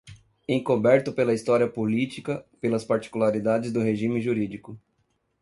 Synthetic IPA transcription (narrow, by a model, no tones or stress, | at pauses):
ẽkobɛɾt̪ʊpelɐist̪ɔɾiɐpolit͡ʃikɐpelɐspaɾt͡ʃi̥kulaɾid̪ad͡ʒɪzd̪ʊɦeʒĩmɪʒuɾid͡ʒikʊ